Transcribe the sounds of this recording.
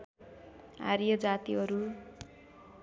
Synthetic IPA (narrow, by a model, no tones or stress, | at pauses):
ɦa̰ɾijʌd͡zat̪iɦʌɾu